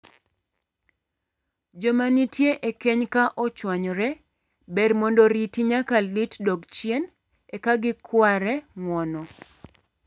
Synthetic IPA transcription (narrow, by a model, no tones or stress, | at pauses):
d͡ʒomanitjeʔekeɲkaʔɔt͡ʃwaɲɔɾɛ | bɛɾmɔndɔɾitiɲakalitdɔɡt͡ʃjen | ɛkaɡɪkwaɾɛŋwɔnɔ